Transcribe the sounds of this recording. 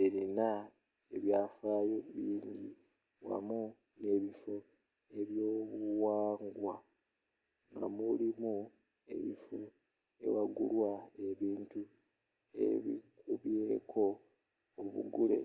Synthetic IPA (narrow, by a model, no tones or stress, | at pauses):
eɾina | eβjaːfaːjo̞βiːɲɟi | wa̰mu | ne̞ːβifo | e̞βjo̞ːβuwaːŋɡwa | ŋɡa̰mulimu | e̞̰βifu | e̞̰waɡṵlwae̞βiːntu | ḛβḭkuβjeːkʰo̞ː | βṵɡule̞̰